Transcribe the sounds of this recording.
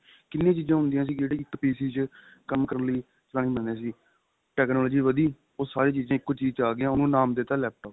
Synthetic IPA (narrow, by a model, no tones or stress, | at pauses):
kɪnːẽːt͡ʃiːzãːɦʊ̃nd̪ijãːs̬iːd͡ʒeːɽeːɪkːpiːsiːt͡ʃ | kəmkəɾənləiː | t͡ʃɾaːñĩːbənd̪ãːsiː | ʈɛːknɔːlɔːd͡ʒiːʋəd̪iː | oːsaːɾeːt͡ʃiːzãːɪkːot͡ʃiːzt͡ʃaːɡãːʊnũːnaːmd̪eːt̪aːlɛːp̚ʈɔːp